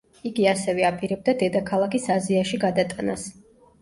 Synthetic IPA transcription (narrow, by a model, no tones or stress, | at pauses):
iɡiasɛvɛapʼiɾɛb̚d̪ad̪ɛd̪akʰalˠakʰisaziaʃiɡad̪at̪ʼanas